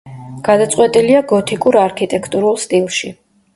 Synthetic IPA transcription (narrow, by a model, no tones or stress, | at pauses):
ɡ̥ad̪at̪sʼqʼwɛt̪ʼiliaɡɔt̪ʰikʼuɾaɾkʰit̪ʼɛkʰt̪ʼuɾulˠst̪ʼilˠʃi